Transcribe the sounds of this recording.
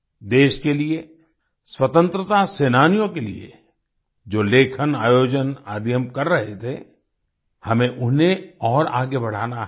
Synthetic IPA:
d̪eːʃkelie | swət̪ə̃nt̪ɾət̪aseːnaːnijõkelḭḛ | d͡ʒoːleːkʰənaːjoːd͡ʒəna̰ːd̪jəmkɐɾːɐɦet̪ʰḛ | hɐmẽʔʊnẽɔːɾa̰ːɡebɐɽ̤aːnaɦ

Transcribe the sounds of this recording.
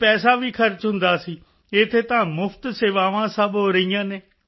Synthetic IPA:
pɛːsaːʋiːkʰəɾt͡ʃɦʊnd̪aːsiː | ɪt̪ʰːeːt̪ãːmʊfʰt̪seːʋaːʋãːsəbɦoːɾəɦijãːneː

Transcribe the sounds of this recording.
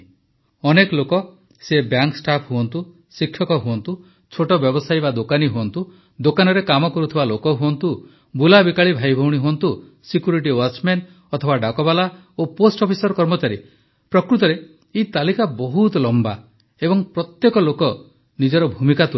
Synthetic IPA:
ɔnekɔlokɔ | sebjaŋksʈapʰɦuɔnt̪u | sikʰːjɔkɔɦuɔnt̪u | t͡ʃʰoʈɔbjɔbɔsajbad̪okaniɦuɔnt̪u | d̪okanɔɾekamɔkɔɾut̪ʰibalokɔɦuɔnt̪u | bulabikaɭibʱajbʱɔwɽiɦuɔnt̪u | sikjuɾiʈ̬iwat͡ʃmen | ɔt̪ʰɔbaɖakɔbala | oposʈɔpʰisɔɾkɔɾmɔt͡ʃaɾi | pɾɔkɾut̪ɔɾe | it̪alikabɔɦut̪lɔmba̰ | ebɔŋpɾɔt̪jekɔlokɔ | nid͡ʒɔɾɔbʱumikat̪ʰu

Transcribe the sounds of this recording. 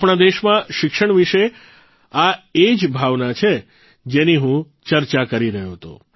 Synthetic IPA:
pɳad̪eʃmãʃɪkʃəɳ̃ʋiʃe | aed͡ʒbʱaʋnat͡ʃʰe | d͡ʒeniɦũ | t͡ʃəɾt͡ʃakəɾiɾəɦjoɦt̪o̰

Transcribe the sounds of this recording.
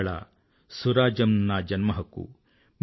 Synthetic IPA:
ɭɐ̰ | suɾaːd͡ʒɐmnad͡ʒɐnmɐɦɐkṵ | m

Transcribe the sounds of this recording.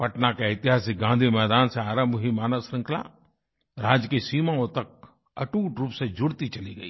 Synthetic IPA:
pɐʈnakeɪt̪ɪɦaːsik̚ɡãːnd̪ʱimɛːd̪aːnseaːɾə̃mbɦimaːnəsɾɪ̃ŋkʰla̰ | ɾaːd͡ʒkisiːmaõt̪ɐk̚ | ɐ̰ʈuːʈɾuːpsed͡ʒʊɽt̪it͡ʃɐliɡɐiː

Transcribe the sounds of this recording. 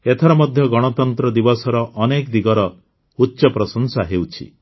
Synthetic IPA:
et̪ʰɔɾɔmɔd̪ʱjɔɡɔɽ̃ɔt̪ɔnt̪ɾɔd̪ibɔsɔɾɔʔːnekd̪iɡɔɾɔ | utːʃɔpɾɔsɔŋsaɦewt͡ʃʰḭ

